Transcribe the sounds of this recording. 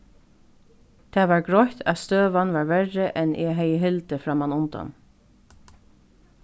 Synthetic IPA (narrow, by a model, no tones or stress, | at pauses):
t̪ʰɛːʋaɹɡɹɔht̪ʰast̪øːʋanʋaːɹʋɛɹəʔɛnʔɛɦɛjəɦɪlt̪əfɾamanʊnt̪a̰n